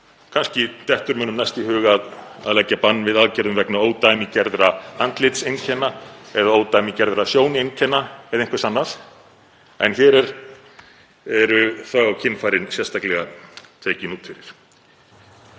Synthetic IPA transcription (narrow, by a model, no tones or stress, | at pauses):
kʰanscɪt̪ɛht̪ʏɾmʏːnʏmnajst̪ihʏːɣað | a̰ðlɛcːapanːvɪðaðcɛɾðʏmvɛknaoːwt̪ajmicɛɾðɾaant̪lɪt̪sejncʰɛnːaɛðaoːwt̪ajmicɛɾðɾasjoːwnɪejncʰɛnːaɛðaẽnŋkvsanːaθ | ɛ̰nçɛːɾɛɾ | ɛɾʏθaɣawcʰɪnːfaːjɾɪnsjɛst̪ʰaklɛɣat̪ʰeːcɪnuːt̪fɪɾɪɾ̥